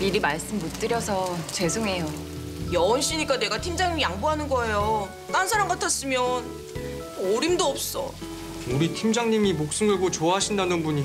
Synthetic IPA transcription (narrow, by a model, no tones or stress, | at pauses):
iɾimaɭs͈ɯmːot͈ɯɾjʌsʰʌt͡ɕe̞sʰoŋe̞jo | jʌʌnɕ͈iɲik͈ane̞ɡatʰimd͡ʑaŋɲimijaŋbuɦanɯnɡʌe̞jo | t͈ansʰaɾaŋɡatʰas͈ɯmjʌn | ɔɾimdoʌp̚s͈ʌ̰ | uɾitʰimd͡ʑaŋɲimimok̚s͈ɯmɯɭɡot͡ɕoaɦaɕʰindanɯnbuɲi